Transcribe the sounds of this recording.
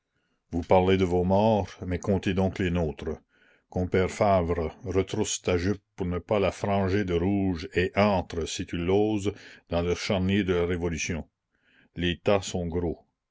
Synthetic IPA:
vupaʁled̪əvomɔːʁmɛkɔ̃t̪ed̪ɔ̃klenoːt̪ɾə | kɔ̃pɛːʁfavɾəɾət̪ɾust̪aʒyp̚ːuʁnəpalafɾɑ̃ʒed̪əɾuːʒeʔɑ̃ːt̪ɾəsit̪yloːzd̪ɑ̃lœʁʃaʁnjed̪əlaʁevɔlysjɔ̃ | let̪asɔ̃ɡɾo

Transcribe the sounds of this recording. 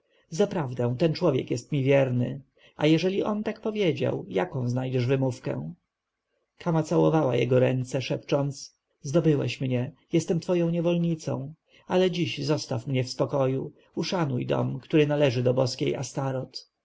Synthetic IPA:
zapɾavd̪ɛ̃w̃t̪ɛnt͡ʂwɔvʲjɛ̰kjɛst̪mʲivʲjɛɾnɘ̰ | ʔa̰jɛʐɛlʲiʔɔnt̪akpɔvʲjed͡ʑa̰wjakɔ̃w̃znajd͡ʑɛʐvɘmufkɛ̰̃ | kʰamat̪sawɔvawa̰jɛ̰ɡɔɾɛnt̪sɛʂɛpt͡ʂɔnt̪s | zd̪ɔbɘwɛ̰ɕmɲɛjɛst̪ɛmt̪fɔjɔ̃w̃ɲɛvɔlɲit̪sɔ̰̃w̃ | alɛd͡ʑiɕzɔst̪afmɲɛfspɔkɔju | uʂanujd̪ɔ̰mkt̪uɾɘnalɛʐɘd̪ɔbɔskʲeja̰st̪aɾɔt̪

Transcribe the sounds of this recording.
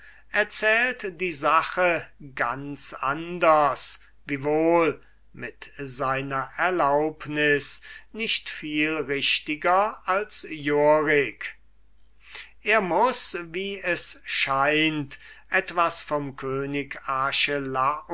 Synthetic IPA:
ʔɛɐt͡sɛːltd̥iːzaχəɡansa̰ndɐs | viːvoːl | mɪtzaɪnɐʔɛɐlaʊpnɪsnɪʃtfiːlʁɪʃtɪɡɐalsjoʁɪk | ʔeːɐmʊsviːɛsʃaɪntʔɛtv̥asfɔmkʰøːnɪkaːʃəla

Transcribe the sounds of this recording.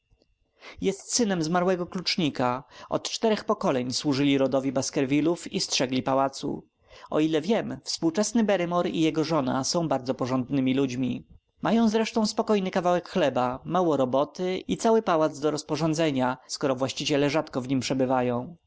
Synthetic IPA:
jɛst̪sɘnɛmzmaɾwɛɡɔklut͡ʂɲikaɔ̰t̪t͡ʂt̪ɛɾɛxpɔkɔlɛɲswuʐɘlʲiɾɔd̪ɔvʲjibaskɛɾvʲilufistʂɛɡlʲipawat̪sṵ | ʔɔ̰ilɛvʲjɛmfspuwt͡ʂɛsnɘbɛɾɛmɔɾḭjɛɡɔʐɔna̰sɔ̃w̃baɾd̪zɔpɔʐɔnd̪nɘmʲilud͡ʑmʲi | majɔ̃w̃zɾɛʂt̪ɔ̃w̃spɔkɔjnɘkavawɛkxlɛbamawɔɾɔbɔt̪ɘit̪sawɘpawad̪zd̪ɔɾɔspɔʐɔnd̪zɛɲaskɔɾɔvwaɕt͡ɕit͡ɕɛlɛʐat̪kɔvɲimpʂɛbɘvajɔ̃w̃

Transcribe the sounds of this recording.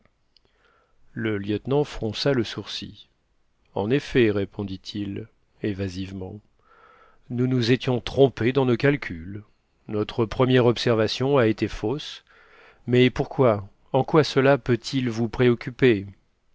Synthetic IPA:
ləljət̪nɑ̃fχɔ̃saləsuʁsḭ | ɑ̰̃nefɛʁepɔ̃d̪it̪ʰil | evazivmɑ̃ | nunuzet̪jɔ̃t̪χɔ̃ped̪ɑ̃nokalkʲʰyl | nɔt̪χəpχəmjɛʁɔpsɛʁvasjɔ̃aet̪efos | mɛpuʁkwa | ɑ̃kwasəlapøt̪ʰilvupχeɔkʲype

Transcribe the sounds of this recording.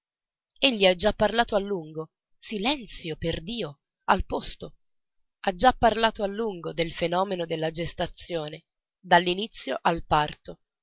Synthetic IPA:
eʎːiad͡ʒːapːarlaːt̪oalːuŋɡo | silɛnt̪sjoperd̪iːo | alpost̪o | ad͡ʒːapːarlaːt̪oalːuŋɡod̪elfenɔːmenod̪elːad͡ʒest̪at̪sːjoːne | d̪alːinit̪sːjo̰ʔalpart̪o

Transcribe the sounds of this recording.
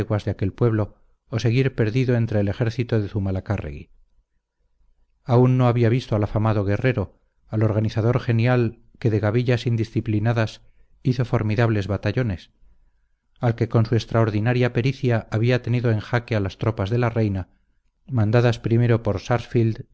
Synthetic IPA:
ɣwazðeake̞lpwe̞βlo̞ː | se̞ɣiɾpe̞ɾðiðo̞e̞nt̪ɾe̞ːlexe̞ɾθit̪oðe̞θumalakarḛɣḭ | aunːo̞aβiaβist̪oalafamaðo̞ɣ̞e̞re̞ɾo̞ | alo̞ɾɣ̞aniθaðo̞ɾxe̞njal | ke̞ðe̞ɣaβiʎasind̪isθiplinaðas | iθo̞fo̞ɾmiðaβle̞zβat̪aʎo̞ne̞s | alke̞ko̞nsuest̪ɾaoɾðinaɾjape̞ɾiθjaʔaβiat̪e̞niðoe̞ŋxakealast̪ɾo̞pazðe̞lare̞jna | mãnd̪aðaspɾime̞ɾo̞po̞ɾsaɾsfild̪

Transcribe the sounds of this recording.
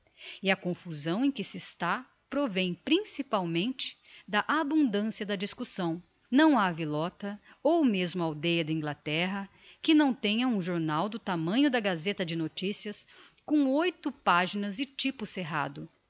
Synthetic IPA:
ɪɐkõfuzɐ̃w̃ẽj̃kɪsɪst̪a | pɾovẽj̃pɾĩsipawmẽnt͡ʃɪ̥d̪ɐʔabũnd̪ɐ̃siɐd̪ɐd͡ʒiskusɐ̃w̃ | nɐ̃w̃avilɔt̪ɐ | owmezmʊawd̪ejɐd̪ɐĩŋɡlat̪ɛɦɐ | kɪnɐ̃w̃t̪ẽɲɐũʒoɾnawd̪ʊt̪amɐ̃ɲʊd̪ɐɡazet̪ɐd͡ʒɪnot͡ʃisiɐs | kõw̃ojt̪ʊpaʒinɐzɪt͡ʃipʊseɦa̰d̪ʊ

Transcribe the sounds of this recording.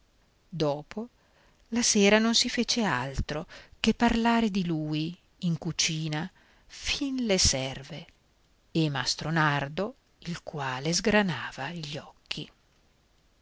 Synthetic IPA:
d̪ɔːpo | laseːɾanonsifeːt͡ʃealt̪ɾokepːarlaːɾed̪iluːj | iŋkut͡ʃiːna | finlesɛrve | emast̪ɾonard̪o | ilkwaːlezɡɾanaːvaiʎːɔkʰːi

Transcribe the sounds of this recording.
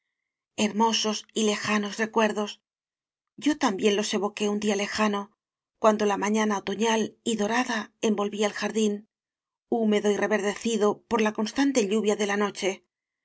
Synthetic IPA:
e̞ɾmo̞so̞sile̞xano̞sre̞kwe̞ɾðo̞s | ɟ͡ʝo̞t̪ambje̞nlo̞se̞βo̞ke̞und̪iale̞xano̞ | kwand̪o̞lamãɲanaot̪o̞ɲaliðo̞ɾaðae̞mbo̞lβiaelxaɾðin | ume̞ðo̞ire̞βe̞ɾðe̞θiðo̞po̞ɾlako̞nst̪ant̪e̞ʎuβjaðe̞lano̞t͡ʃe̞

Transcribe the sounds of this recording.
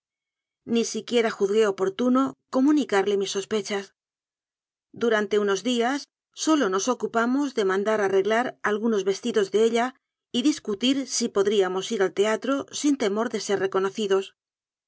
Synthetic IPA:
nisikje̞ɾaxuðɣe̞o̞po̞ɾt̪uno̞ko̞munikaɾle̞misːo̞spe̞t͡ʃas | d̪uɾant̪e̞uno̞zðiasː | o̞lo̞no̞so̞kupamo̞zðe̞mãnd̪aɾare̞ɣlaɾalɣuno̞zβe̞st̪iðo̞zðe̞e̞ʎa | iðiskut̪iɾsipo̞ðɾiamo̞siɾalt̪e̞at̪ɾo̞sint̪e̞mo̞ɾðe̞se̞ɾre̞ko̞no̞θiðo̞s

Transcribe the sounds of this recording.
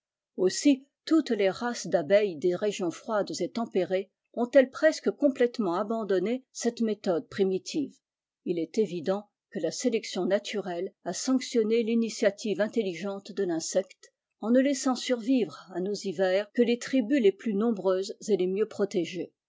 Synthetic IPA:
osi | t̪ut̪leʁasd̪abɛjd̪eʁeʒjɔ̃fχwad̪zet̪ɑ̃peʁe | ɔ̃t̪ɛlpχɛskəkɔ̃plɛt̪mɑ̃abɑ̃d̪ɔnesɛt̪met̪ɔd̪̚pχimit̪ʰiv | ilɛt̪evid̪ɑ̃ | kəlaselɛksjɔ̃nat̪ʰyʁɛlasɑ̃ksjɔnelinisjat̪ʰivɛ̃t̪eliʒɑ̃t̪d̪əlɛ̃sɛkt̪ | ɑ̃nəlɛsɑ̃syʁvivʁanozivɛːʁkəlet̪χibyleplynɔ̃bʁøzzelemjøpχɔt̪eʒe

